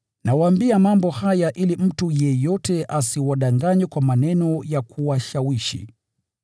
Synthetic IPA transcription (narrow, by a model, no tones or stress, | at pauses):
nawaːmbiamambɔhajaʔilim̩tujɛjɔtɛʔasiwaɗaŋɡaɲwɛkwamanɛnɔjakʰuwaʃawiʃḭ